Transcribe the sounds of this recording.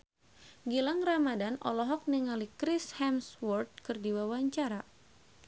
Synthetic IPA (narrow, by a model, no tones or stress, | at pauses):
ɡilaŋramadanɔ̰lɔɦɔk̚niŋalikɾishamswɔrt̪̚kɨrdiwawaɲt͡ʃaɾa